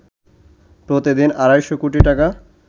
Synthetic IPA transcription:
pɾot̪id̪inaɾajʃokuʈiʈaka

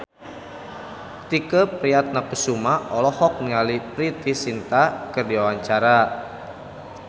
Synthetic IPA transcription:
t̪ikəpɾiat̪̚napəsumaɔlɔhɔk̚niŋalipɾit̪isint̪akərdiwawaɲt͡ʃaɾa

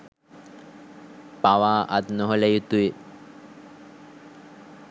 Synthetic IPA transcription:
paʋaːʔat̪noɦoləjut̪ue

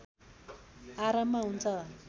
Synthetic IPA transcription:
aɾamːaɦunt͡sʰʌ

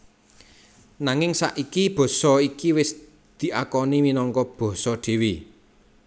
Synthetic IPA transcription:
naŋɪŋsa̰ʔikib̥ɔ̤sɔikiwɪs | d̪̥i̤akɔniminɔŋkɔb̥ɔ̤sɔɖ̥e̤wi

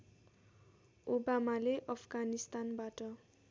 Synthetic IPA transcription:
obamaleʔʌpʰɡanist̪anbaʈʌ

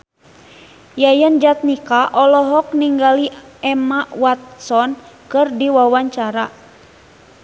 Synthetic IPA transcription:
jajand͡ʒat̪̚nikaʔɔlɔɦɔk̚niŋɡaliɛmawat̪̚sɔnkɨrdiwawaɲt͡ʃaɾa

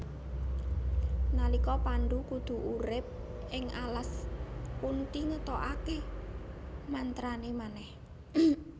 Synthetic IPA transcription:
nalikɔpanɖukud̪̥ṳʔuɾɪp̚ʔɪŋʔalaspunt̪iŋət̪ɔʔake | mant̪ɾanemanɛh

